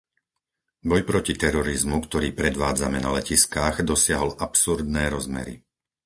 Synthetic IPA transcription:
bɔjpɾɔcit̪ɛɾɔɾizmukt̪ɔɾiːpɾɛd̪ʋaːd͡zamɛnalɛciskaːɣd̪ɔsɪaɦɔlʔapsuɾd̪nɛːɾɔzmɛ̰ɾḭ

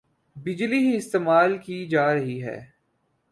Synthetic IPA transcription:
bɪd͡ʒliɦiɪst̪eːmaːlkid͡ʒaːɾɐɦiɦɛ̰ː

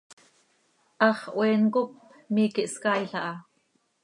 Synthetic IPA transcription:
ʔɑχʔweːnkʊp̚ | miːkiʔskajɬɑʔɑ

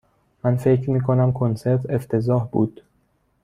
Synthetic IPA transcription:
mænfe̞cʰɾmiːkʰonæmkʰonse̞ɾt̪ʰe̞ft̪ʰe̞zɒːhbṵːd̪̥

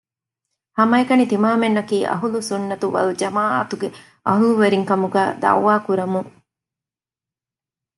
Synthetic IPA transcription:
hɐmɐekɐnit̪imaːmenːɐkiːʔɐ̰ɦulusunːɐt̪uʋɐ̰lud͡ʒɐmaːʔɐt̪uɡe | ʔɐ̰ɦuluʋeɾiŋkɐmuɡæːd̪ɐ̰wːaːkuɾɐmuŋ

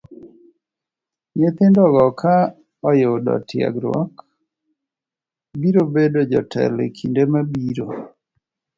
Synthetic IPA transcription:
ɲet̪ɪndɔɡɔkʰa | ɔjodɔ̰tɪa̰ɡɾɔ̰k | biɾobedod͡ʒɔ̰tʰɛ̰lḛkʰindemabiɾo

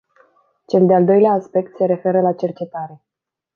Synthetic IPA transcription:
t͡ʃe̞ld̪eald̪o̞jleaːspe̞kt̪se̞ɾe̞fe̞ɾəlat͡ʃe̞rt͡ʃe̞t̪aɾe̞

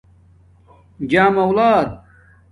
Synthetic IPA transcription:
d͡ʑaːmɐwlaːd̪̚

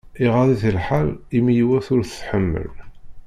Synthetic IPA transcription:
iʁaðˤiθəlħalimjwæθʊɾθθħəmːə̰l

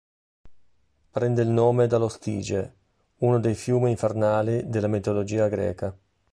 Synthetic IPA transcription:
pɾɛnd̪eilnoːmed̪alost̪ḭːd͡ʒe | unod̪ejfjuːmiːɱfernaːlid̪elːamit̪olod͡ʒiːaɡɾɛ̰ːka

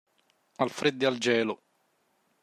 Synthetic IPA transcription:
alfɾed̪ːeald͡ʒɛːlʊ

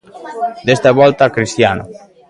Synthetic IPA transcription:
d̪est̪aβɔlt̪akɾist̪janʊ̰

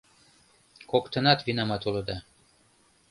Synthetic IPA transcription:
kokt̪ɤ̆nɑt̪vinɑmɑt̪ulɤ̆d̪ɑ

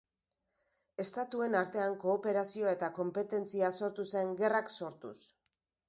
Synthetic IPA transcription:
e̞st̪at̪ue̞naɾt̪e̞aŋko̞ːpe̞ɾasioe̞t̪ako̞mpe̞t̪e̞nt͡siaso̞ɾt̪use̞ŋɡe̞rakso̞ɾt̪ṵs

